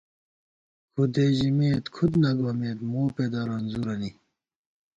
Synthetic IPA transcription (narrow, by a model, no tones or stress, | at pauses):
kʰud̪eʑimeːt̪kʰud̪nɐɡaːmeːt̪moːped̪aːɾɐnzuɾɐni